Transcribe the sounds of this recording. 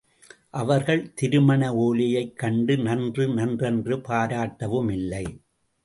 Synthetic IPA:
ʔɐʋɐɾɣɐɭt̪ɪɾɯmɐɳɐoːlɪjɐɪkːɐɳɖɯnɐndrɯnɐndrɛndrɯpaːɾaːʈːɐʋɯmɪlːɐɪ

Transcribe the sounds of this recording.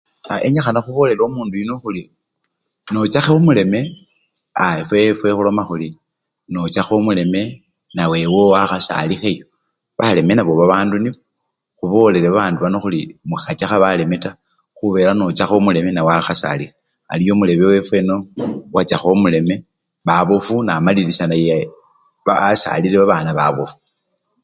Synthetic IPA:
aʔeɲaxanaxuβo̞le̞lomuːndujino̞xuli | no̞t͡ʃaxeomule̞me̞ | aefwefwe̞xulo̞maxuli | no̞t͡ʃaxomule̞me̞ | nawe̞wowaxasa̰lixejo | βale̞me̞naβo̞βaβaːndunio | xuβo̞le̞leβaβaːnduβano̞xulimuxat͡ʃaxaβale̞meta | xuβe̞ːlanot͡ʃaxomule̞menawaxasa̰lixa | a̰lijo̞mule̞βewe̞fwe̞no̞wat͡ʃaxomule̞me̞ | βaβofunamalilisanaja | aasa̰lileβaβanaβaβofu̥

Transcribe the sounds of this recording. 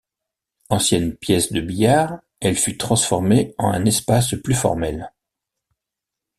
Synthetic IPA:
ɑ̃sjɛnpjɛsd̪əbijaːʁ | ɛlfyt̪χɑ̃sfɔʁmeɑ̰̃ɛ̰̃nɛspasplyfɔ̰ʁmɛl

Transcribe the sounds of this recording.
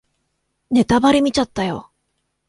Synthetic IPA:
ne̞t̪abaɾʲimʲit͡ɕat̪ːajo̞̰

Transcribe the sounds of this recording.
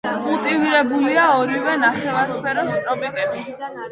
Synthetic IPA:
kʼulˠt̪ʼiviɾɛbuliaɔɾivɛnaχɛvaɾspʰɛɾɔmit̪ʼɔbit̪ʼɛbʃi

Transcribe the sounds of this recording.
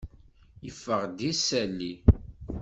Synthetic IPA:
jəfːəʁd̪isælːi

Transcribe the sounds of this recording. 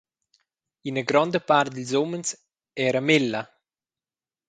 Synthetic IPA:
inəɡɾɔnd̪əpart̪̚d̪ilzoməns | ɛːɾamelːa

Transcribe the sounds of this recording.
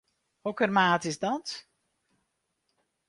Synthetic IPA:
hɔkərmaːtɪsdɔt

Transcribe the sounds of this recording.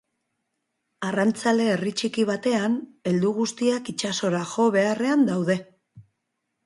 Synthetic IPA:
arant͡sale̞ːrit͡ʃikiβ̞at̪e̞ane̞ld̪uɣ̞ust̪iakit͡ʃaso̞ɾaʝo̞βe̞are̞and̪awðe̞

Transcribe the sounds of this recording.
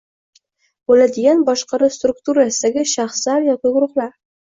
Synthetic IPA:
b̥olad̪ɪɡʲanbɒʃqɑɾʊst̪ɾʊkt̪uɾasɪd̪aɡʲɪʃɑχslaɾjɒkʲɪɡʊɾʊχlaɾ

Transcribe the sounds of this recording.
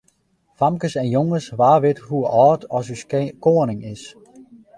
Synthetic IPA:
famkəsɛnjoŋəsʋaːʋɪtɦuɔːtʰɔsyskoənɪŋɪs

